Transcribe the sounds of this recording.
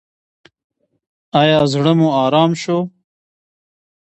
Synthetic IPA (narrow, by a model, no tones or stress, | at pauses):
ɑːjɑːzɽəmuɑːɾɑːmʃo